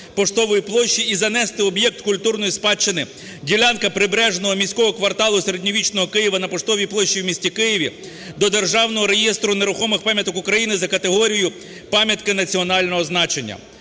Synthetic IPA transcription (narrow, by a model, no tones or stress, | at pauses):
pɔʃt̪ɔʋɔjiplˠɔʃːiizɐnɛst̪ɪɔbjɛk̚t̪kʊlʲt̪urnɔjispɑt͡ʃːenɪ | dʲiwlʲankɐpɾɪbɾɛʒenɔɦɔmʲisʲkɔɦɔkʋɐrt̪ɑlˠʊseɾedʲnʲiʋʲit͡ʃnɔɦɔkɪjɪʋɐnɐpɔʃt̪ɔʋʲijplˠɔʃːiwmʲisʲtʲikɪjɪʋʲi | d̪ɔd̪e̞rʒɑwnɔɦɔɾejest̪ɾʊne̞ɾʊxɔmɪxpɑmʲjɐt̪ɔkʊkɾɐjinɪzɐkɐt̪eɦɔɾʲijʊ | pɑmʲjɐt̪kɪnɐt͡sʲiɔnɑlʲnɔɦɔznɑt͡ʃenʲːɐ̰